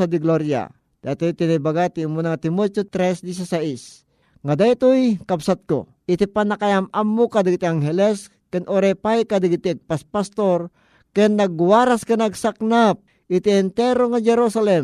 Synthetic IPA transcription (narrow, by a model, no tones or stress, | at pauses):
ad̪iɡloɾja̰ | d̪̥at̪ojt̪inibaɡat̪iumunaŋt̪imot͡ʃot̪ɾɛsd̪is̬asais | ŋad̪ajt̪ojkabsat̪̚ko̰ | ɪt̪ipanakajamamːokad̪ɪɡit̪iaŋɦɛlɛs | kɛnʔoɾepajkad̪iɡit̪iɡ̚paspast̪oɾ | kɛnːɐɡwaɾaskanaɡsaknap̚ | ɪt̪iɛnt̪ɛɾoŋad͡ʒɛɾusalɛm